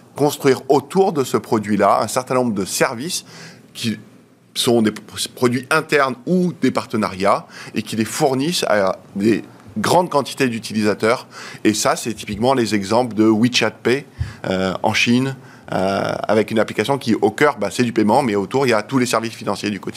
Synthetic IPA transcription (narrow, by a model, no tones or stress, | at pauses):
kɔ̃st̪χɥiʁot̪uʁd̪əsəpχɔd̪ɥilaɛ̃sɛʁt̪ɛ̃nɔ̃bʁəd̪əsɛʁvis | kʲʰi | sɔ̃d̪epχɔd̪ɥiʔɛ̃t̪ɛʁnud̪epaʁt̪ənaʁjaekʲilefuʁnisa̰d̪e | ɡʁɑ̃d̪kɑ̃t̪i̥t̪ed̪yt̪ilizat̪œʁesasɛt̪i̥pikmɑ̃lezɛɡzɑ̃pld̪əwit͡ʃat̪̚peøɑ̰̃ʃin | ø̰a̰vɛkynaplikasjɔ̃kʲiʔokʲœʁbasɛd̪ypɛmɑ̃mɛot̪uʁiljat̪ulesɛʁvisfinɑ̃sjed̪ykɔt̪i